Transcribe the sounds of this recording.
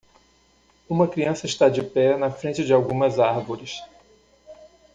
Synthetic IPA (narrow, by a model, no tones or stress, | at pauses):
ũmɐkɾiɐ̃sɐɪʃt̪ad͡ʒɪpɛnɐfɾẽnt͡ʃɪd͡ʒɪawɡũmɐzaɾvoɾɪs